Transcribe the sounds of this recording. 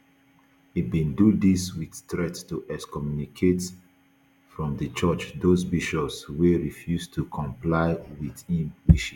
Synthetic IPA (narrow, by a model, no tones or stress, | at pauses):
ibĩndudiswidtɹɛttuʔɛskɔmjunikʰet | fɹɔ̃mdət͡ʃət͡ʃdozbiʃɔpsweɹifjuztʰukʰɔ̃mplaɪwiθĩnwiʃi